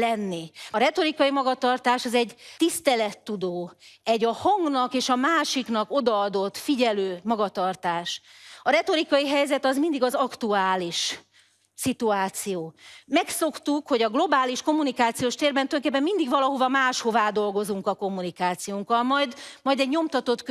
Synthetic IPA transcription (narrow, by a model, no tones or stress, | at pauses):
lɛnːiɒɾɛt̪o̞ɾikɒjimɒɡɒt̪ɒrt̪aːʃɒzɛɟt̪ist̪ɛlɛt̪ːud̪oːɛɟɒhɒŋɡnɒkeːʃɒmaːʃiknɒko̞d̪ɒɒd̪o̞t̪ːfiɟɛløːmɒɡɒt̪ɒrt̪aːʃɒɾɛt̪o̞ɾikɒjiɦɛjzɛt̪ɒzmind̪iɡɒzɒkt̪uaːliʃ | sit̪uaːt̪sijoːmɛkso̞kt̪ukho̞ɟɒɡlo̞baːliʃko̞mːunikaːt̪sijoːʃt̪eːrbɛnt̪øjoŋkeːpːɛmmind̪iɡʋvɒlɒɦo̞vɒmaːʃho̞vaːd̪o̞lɡo̞zuŋkɒko̞mːunikaːt̪sijoːŋkɒlmɒjd̪mɒjd̪ɛɟɲo̞mt̪ɒt̪o̞t̪k